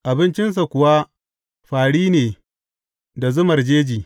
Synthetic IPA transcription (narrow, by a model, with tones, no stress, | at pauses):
ʔa˨bɪ˦nt͡ʃɪ˦ns̬a˨kʷʊ˨wa˦ | ɸaː˨ɽiː˦neː˨ | da˨zʊ˦mɐ˨rd͡ʒeː˦d͡ʒiː˨